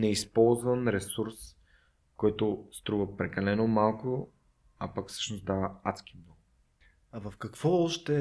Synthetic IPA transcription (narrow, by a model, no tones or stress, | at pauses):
nɛispɔlˠzvənɾɛsuɾs | kɔjt̪ost̪ɾuvəpɾɛkɐlɛnomalˠkʊ | apakfsə̥ʃnosd̪avɐat̪sk̟imnɔɡʊ | avɐfkɐkvɔɔʃt̪ɛ